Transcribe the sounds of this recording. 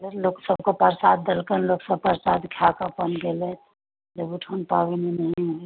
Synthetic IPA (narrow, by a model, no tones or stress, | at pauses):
ɡəɾloksəbkopəɾsaːd̪̚d̪əlkənloːksəb̚pəɾsaːd̪kʰjakapənɡelet̪ | d͡ʒebuʈʰonpaːʋininɐɦĩɦo